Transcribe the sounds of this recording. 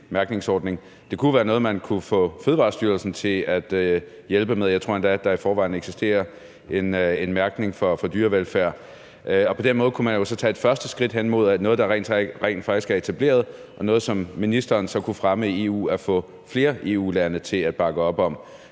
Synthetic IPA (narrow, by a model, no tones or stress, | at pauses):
mæɐɡ̥ne̝ŋsɒːd̥ne̝ŋ | d̥e̝kʰuʋæːɐnɔ̽ːð̞̩ˠmænkʰufɔ̰̽ːføð̞ˠʋɑ̈sd̥yːɐlsn̩t͡sʰe̝læd̥ | jelb̥əmeð̞ˠjaɪt͡sʰʁo̝̰end̥æd̥ɑ̈ifɒːʋɑ̈ɪ̰n̩eɡ̥sisd̥e̝̰ːɐ | e̝nenmæɐɡ̥ne̝ŋfɒfɒ̽d̥yːɐʋelfæɐ̰ | ʔɒ̽pʰɒ̽d̥enmɔ̽ð̩ˠkʰumænjo̝sɒ̽t͡sʰɛ̰ːe̝d̥fɶɐsd̥əsɡ̥ʁid̥ɦenmo̝ð̞̰ˠænɔ̽ːð̞̩ˠd̥ɑ̈ʁɛ̰nʁɛ̰ɪn̥fɑ̈ɡ̥isɡ̥æɐe̝t͡sʰæb̥le̝̰ːɐðˠ | ʔɒ̽nɔ̽ð̞̩ˠsɒ̽mːinisd̥ɐːnsɒ̽kʰufʁaməie̝ːṵːæfɔ̰̽ː | fle̝ːɐʔe̝̰ːuːlænət͡sʰe̝læd̥̚b̥ɑ̈ɡ̥əɒ̽b̥ɒ̽m